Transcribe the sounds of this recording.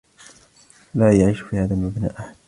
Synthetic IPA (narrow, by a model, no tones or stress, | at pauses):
laːjaʕiːʃfiːhaːðamabna̰ːʔaħad̪